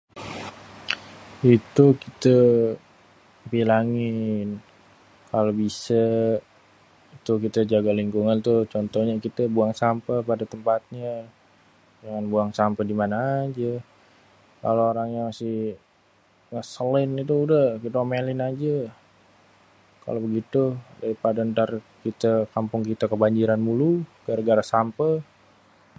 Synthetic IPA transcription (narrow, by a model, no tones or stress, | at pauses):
it̪ukit̪ə | pilaŋɪn | kalobisa | it̪ukit̪əd͡ʒaɡaliŋkuŋant̪ut͡ʃɔnt̪ɔhɲakit̪əbuaŋsampəpadat̪əmpat̪̚ɲa | d͡ʒaŋanbuaŋsampədimanaːd͡ʒa | ka̰loːɾaŋjaŋmasɪ | ŋəsəlɪnit̪̬uːdahkit̪əmelɪnad͡ʒa | ka̰lobəɡit̪udaɾipadaənt̪arkit̪akampʊŋkit̪əkəbaɲd͡ʒiɾanmuluɡ̥aɾɡaɾasampə